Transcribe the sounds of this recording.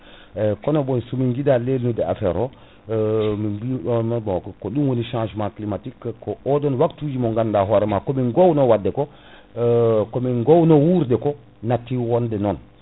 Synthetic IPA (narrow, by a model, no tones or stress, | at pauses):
kɔnɔɓɔnsumiŋɡidalelnudɛa̰fɛɾɔ | mimbimɛbɔkkɔɗunwoniʃãʒmãklimatikːkːɔʔɔdɔnwaktud͡ʒimɔŋɡandaɦɔɾɛmakɔminɡownɔwadːɛkɔ | kominɡownɔwuɾdɛkɔ | natːiwɔndɛnɔn